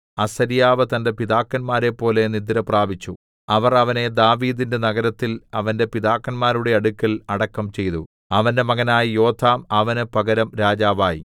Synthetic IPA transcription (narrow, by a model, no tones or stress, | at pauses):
ɐsɐɾijaːʋɨt̪ɐnde̞piðaːkːɐnmaːɾe̞pːo̞ːle̞nid̪ːiɾɐpraːbit͡ɕːu | ɐʋɐrɐʋɐne̞d̪aːʋiːðinde̞nɐɣɐɾɐt̪ːilɐʋɐnde̞piðaːkːɐnmaːɾuɽe̞ɐɽukʲːɐlɐɽɐkːɐmt͡ɕe̞jt̪u | ɐʋɐnde̞mɐɣɐnaːjijo̞ːt̪ʰːaːmɐʋɐnɨpɐɡɐɾɐmɾaːd͡ʑaːʋaːjḭ